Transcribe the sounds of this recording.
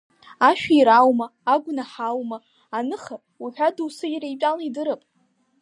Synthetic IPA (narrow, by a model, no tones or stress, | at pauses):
aʃᶣaiɾawmaːɡʷnaħawmaː | nɨχa | uħʷᶣaduwsɨjɾejpʼalaidɨɾɨpʼ